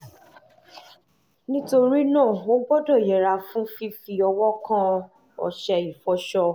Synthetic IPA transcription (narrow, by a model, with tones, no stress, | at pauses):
nĩ˦to˧ɾi˦nãː˦˨o˦ɡ͡bɔ˦dɔ˦˨jɛ˨ɾa˧fũ˦fi˦fi˧ɔ˧wɔ˦kã˦ | ɔ̰˨ʃɛ˧i˨fɔ˧ʃɔ˧